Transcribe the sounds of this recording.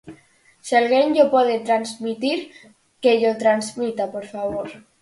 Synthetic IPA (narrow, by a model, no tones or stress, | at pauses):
sialɣenɟ͡ʝopoðet̪ɾanzmit̪iɾ | keʎot̪ɾanzmit̪apoɾfaβoɾ